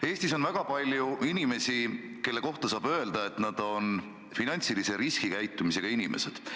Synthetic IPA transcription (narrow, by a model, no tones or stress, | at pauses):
e̞ːsʲt̪iso̞nvæɡ̥ɑpɑlʲjuinime̞si | ke̞lːe̞ko̞ht̪ɑsɑːb̥ø̞eld̪̥ɑe̞t̪nɑd̪̥o̞n | finɑnʲt̪silise̞ɾiskikæjt̪ˑːumise̞ɡ̥ɑinime̞̰se̞d̪̥